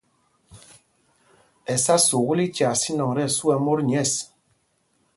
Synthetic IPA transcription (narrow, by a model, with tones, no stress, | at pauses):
ɛ˨sa˦so˨ɣu˦li˦t͡ʃa˨si˦nɔ˨ŋɾɛ˦˨su˦ɛ˨mo˦ɾɲ˨ɛ˦˨s